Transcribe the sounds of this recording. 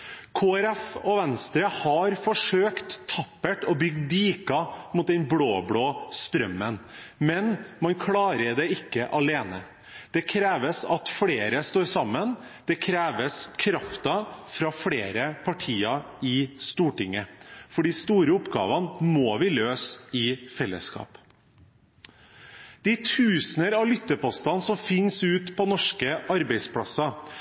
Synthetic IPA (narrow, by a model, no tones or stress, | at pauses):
kʰoːæɾɛfɔʋɛnst̪ɾəhɑɾfɔʂøːkt̪ʰːɑpːəʈɔbʏɡd̪iːkɑmʊt̪̚d̪ɛnbɽoːbɽoːst̪ɾœmːənmɛnmɑnkʰlɑːɾəɖ̪ɛɪkːəʔɑleːnə | d̪̥ɛkʰɾeːʋəsɑt̪fɽeːɾəst̪oːɾsɑmːən | d̪̥ɛkʰɾeːʋəskʰɾɑft̪ɑfɾɑːfɽeːɾəpʰɑʈʰiːɑ | ɪst̪uːʈɪŋːəfɔɖiːst̪uːɾəʊpɡɑ̰ːʋɑnmoːʋɪløːsɪfɛlːə̰skɑ̰ːp | d̪̥ɪt̪ʰʉːsnəɾɑlʏt̪ːəpɔst̪ɑnsɔmfɪnsʉːt̪pʰɔnɔʂkəʔɑɾbɛɪspʰlɑ̰sɑ